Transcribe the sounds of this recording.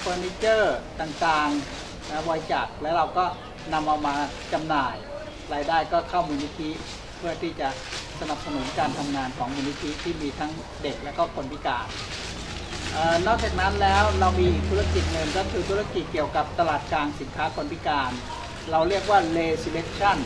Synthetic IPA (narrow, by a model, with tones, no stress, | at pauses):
fʰɤː˧ni˦˥t͡ɕɤː˥˩t̪aː˨˩ŋt̪aː˧ŋ | nɛ˦˥wɔː˧jt͡ɕa˨˩k̚lɛː˦˥wɾa˧wkɔː˥˩ | na˧mʔa˧wmaː˧ | t͡ɕa˧mnaː˨˩j | ɾaː˧jdaː˥˩jkɔː˥˩kʰa˥˩wmaː˧ni˦˥t̪ʰi˦˥ | pʰɯ˥˩ət̪ʰiː˥˩t͡ɕa˨˩ʔsa˧na˨˩p̚sa˧nu˩˦nkaː˧nt̪ʰa˧mŋaː˧nkʰɔː˩˦ŋmuː˧ni˦˥t̪ʰi˦˥t̪ʰiː˥˩miː˧t̪ʰa˦˥ŋ | de˨˩k̚lɛ˦˥wkɔː˥˩kʰo˧npi˦˥kaː˧n | ʔaː˨˩nɔː˥˩k̚t͡ɕaː˨˩k̚na˦˥nlɛː˦˥wɾa˧wmiː˧˨˩t̪ʰu˦˥a˥˧ki˨˩t̪̚ŋɤ˧nkaː˥˩t̪ʰɯː˧t̪ʰu˦˥a˥˧ki˨˩t̪̚ki˨˩əwka˨˩p̚t̪a˧laː˨˩t̪̚kaː˧nsi˨˩˦nkʰaː˦˥kʰo˧npi˦˥kaː˧n | ɾa˧wɾi˥˩ək̚waː˥˩leː˧si˧le˦˥k̚t͡ɕʰa˥˩n